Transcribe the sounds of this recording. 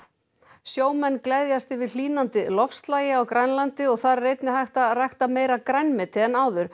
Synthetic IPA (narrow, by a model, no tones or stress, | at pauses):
sjoːwmɛnːklɛðjast̪ɪvɪðl̥iːnant̪ɪlɔfst̪laːjɪawkɾajnlant̪ɪɔɣθaɾːejt̪nɪɦajht̪arajht̪ameːjɾakɾajnmɪt̪ʰɪðɛnaːwðʏɾ̥